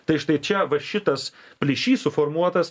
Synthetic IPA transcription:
t̪ɐɪʃt̪ɐɪt͡ʃʲɛʋɐʃʲɪt̪ɐspʲlʲɪʃʲiːsʊfoːrmuɔt̪ɐs

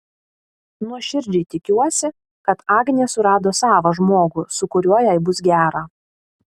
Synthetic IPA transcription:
nuɔʃʲɪɾʲd͡ʒʲɛɪt̪ʲɪkʲuɔsʲɪ | kɐt̪ɑːɡnʲeːsʊɾɑːd̪oːsɑːʋɐʒmoːɡʊsʊkʊɾʲuɔjɛɪbʊs̬ɡʲæːɾɑː

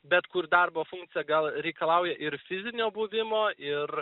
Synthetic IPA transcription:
bʲɛt̪kʊɾd̪ɐrboːfʊŋkt̪sʲɪjɛɡɐlˠɾʲɛɪkɐlˠɐʊjɛʔɪɾfʲɪzʲɪnʲoːbuʋʲɪmoːʔɪr

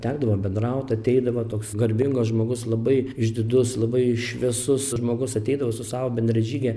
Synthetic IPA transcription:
t̪ʲæːɡd̪ɐʋoːbʲɛnd̪rɐʊt̪ɐt̪ʲɛɪd̪ɐʋoːt̪oːksɡɐɾʲbʲɪŋɡoːsʒmoːɡʊslˠɐbɐɪɪʒʲd̪ʲɪd̪ʊslˠɐbɐɪʃʲʋʲɛsʊsʒmoːɡʊsɐt̪ʲɛɪd̪ɐʋoːsʊsɑːʋoːbʲɛnʲd̪ʲɾʲɛʒʲiːɡʲɛ

